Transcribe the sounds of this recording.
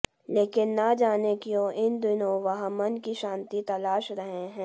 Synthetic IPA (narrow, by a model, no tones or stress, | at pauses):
leːkɪnːad͡ʒaːnekiõʔɪnd̪ɪnõʋɐɦãmɐnkiʃãːnt̪it̪ɐlaːʃɾɐɦeɦɛ̃ː